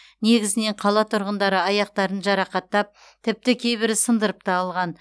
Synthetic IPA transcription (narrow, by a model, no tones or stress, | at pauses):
ne̞ɡʲɪzɪne̞ɴqʰɑlˠɑt̪ʰʊɾʁənd̪ɑɾəɑjɑqt̪ɑɾənʒɑɾɑqɑt̪ːɑp̚ | t̪ʰɪp̚t̪ɪkʲʰe̞jbɪɾɪsənd̪əɾəp̚t̪ɑːlˠʁɑn